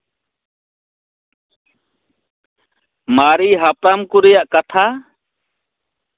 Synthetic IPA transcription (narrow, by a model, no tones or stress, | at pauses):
maɾiɦapɾamkuɾɛjaʔkat̪ʰa